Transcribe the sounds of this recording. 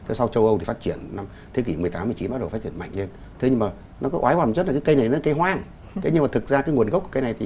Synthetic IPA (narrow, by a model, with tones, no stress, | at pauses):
t̪ʰe˨˦sa˧wt͡ɕə˧wʔə˧w̪t̪ʰi˨˩faː˦˥t̚t͡ɕi˧˩ənːa˧m | t̪ʰe˨˦k̬i˧˩mɨ˨˩əjt̪aː˨˦mː˨˩t͡ɕi˨˦nɓaː˨˦˥ɗwfaː˦˥t͡ɕi˧˩ənma̰˧˨jŋ̟le˧n | t̪ʰe˨˦ɲɨ˧ŋmaː˨˩ | nɔ˨˦kɔ˨˦ʔaː˨˦jwaː˧˩˨t͡ɕə˦˥t̚lkːaː˨˦kə˧jna˨˩jn˨˦˨ke˨˧˦ɦwaː˧ŋ | tʰe˨˦ɲɨ˧ma˨˩t̪ɨ˨˩t̚zaː˧kaː˨˦jŋu˨˩ənɣk͡p̚ku˧˩kə˧jna˨˩jt̪ʰi˨˩